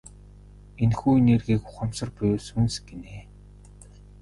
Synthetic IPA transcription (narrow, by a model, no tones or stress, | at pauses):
enxuːnerɣiːkʊ̥χə̆msə̆rpʊjuːsunsɡ̥eneː